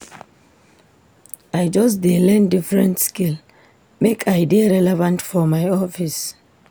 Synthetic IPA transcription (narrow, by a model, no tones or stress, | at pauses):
ajd͡ʒɔs̬dilɛ̃ndifɹɛ̃ntskil | mekʰajdiaɹɛlɛvãntfɔmajɔfis